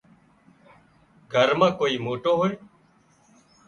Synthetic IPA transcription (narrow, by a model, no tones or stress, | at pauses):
ɡʱəɾmãːkoːiːmoːʈoːɦoːeː